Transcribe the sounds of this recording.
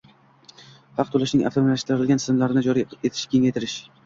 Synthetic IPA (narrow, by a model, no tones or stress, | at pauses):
hɑq̚t̪ʰolaʃnɪŋʔa̰ft̪ʰomlaʃt̪ɪɾɪɾɪlʲansɪzmlaɾɪnɪd͡ʒɒɾiet̪ʰɪ̥ʃkʲʰe̞ŋʲajt̪ʰɪɾɪʃ